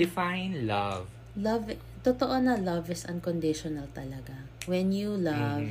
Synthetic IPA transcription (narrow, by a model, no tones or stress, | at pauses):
d̪ɪfajnlav | lɐv | t̪ot̪oʔonɐlɐvɪsɐ̃n̚kɔnd̪ɪʃɔnɐlt̪ɐlɐɡawɛnjulɐv